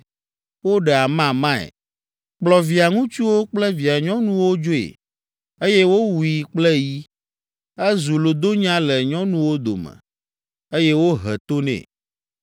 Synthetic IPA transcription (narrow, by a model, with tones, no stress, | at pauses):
wo˦ɖɛ˨a˨mã˦mã˦ɛ̰˨ | k͡plɔ˨vi˨a˨ŋũ˦t͡ʃu˦wo˦k͡plɛ˦vi˨a˨ɲɔ̃˦nũ˦wo˦d͡ʒo˦ḛ˨ | e˦jɛ˦wo˦wu˨i˨k͡plɛ˦ji˦ | ɛ˦zu˨lo˨d̪o˦ɲ˦ã˦lɛ˨ɲɔ̃˦nũ˦wo˦d̪o̰˨mɛ̰̃˨ | e˦jɛ˦wo˦ɦɛ̰˨t̪o˦nɛ̰̃˨